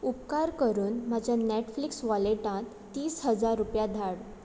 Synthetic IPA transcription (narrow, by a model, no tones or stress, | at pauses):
upkaɾkəɾuːnmad͡ʑʱjaneʈfliksʋaleʈãt̪ːiːsɦəd͡zaɾːupjad̪ʱaɽ